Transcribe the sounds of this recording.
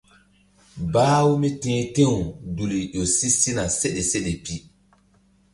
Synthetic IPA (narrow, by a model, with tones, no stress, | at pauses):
baː˦wu˦mi˦tẽː˦tẽ˦wu˨du˨li˨ʔo˨si˦si˦na˨se˦ɗe˨se˦ɗe˨pi˦